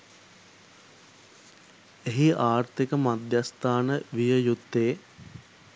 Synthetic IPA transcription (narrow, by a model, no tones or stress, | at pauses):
eɦiaːrt̪ikəmad̪jast̪aːnəʋijəjut̪ːeː